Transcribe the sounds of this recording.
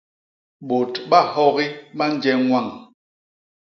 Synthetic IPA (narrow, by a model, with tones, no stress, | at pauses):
ɓo˨tɓa˦˨hɔ˦ɣi˦ɓa˦n˦d͡ʒɛ˦ŋwa˦˨ŋ